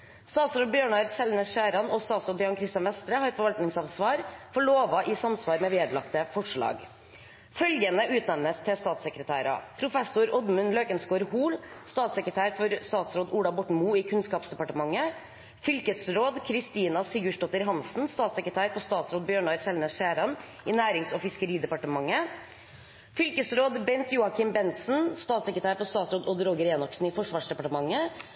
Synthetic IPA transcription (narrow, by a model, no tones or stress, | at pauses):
st̪ɑːt̪sɾoːd̪bjøːɳɑːɾsɛlnəsʂæːɾɑnɔːst̪ɑːt̪sɾoːd̪jɑːɳkʰɾɪst̪jɑnʋɛst̪ɾəhɑːɾfɔɾʋɑlt̪nɪŋsɑʋsʋɑːɾfɔɭoːʋɑʔɪsɑmsʋɑːɾmɛʋeːd̪əlɑkt̪əfɔʂɭɑ̰ːɡ | fœlɡənəʔʉːt̪nɛʋnəst̪ʰɪlst̪ɑːt̪səkɾət̪ʰæ̰ːɾɑ̰pʰɾʊfɛsʊɾɔd̪mʉnløːkənsɡoːɾhuːlst̪ɑːt̪səkɾət̪ʰæːɾfɔɾst̪ɑːt̪sɾoːd̪uːɽɑbɔʈmuːiːkʰʉnskɑːpsd̪ɛpɑʈəmɑŋːə | fʏlkəsɾoːd̪kʰɾɪst̪iːnɑsɪɡʉʂʈɔt̪ːəɾɦɑnsn̩st̪ɑːt̪sɛkɾət̪ʰæːɾfɔst̪ɑːt̪sɾoːd̪̚bjøːɳɑɾsɛlneːsʃeːɾɑn | inæːɾɪŋsɔːfɪskəɾiːd̪ɛpɑʈəmɑŋːə | fʏlkəsɾoːd̪bɛnt̪juːɑkʰɪmbɛnt̪sn̩st̪ɑːt̪səkɾət̪æːɾfɔst̪ɑːt̪sɾoːd̪ɔd̪ɾoːɡəɾɛːnɔksn̩ɪːfɔʂʋɑːʂɖ̪ɛpɑʈəmɑŋːə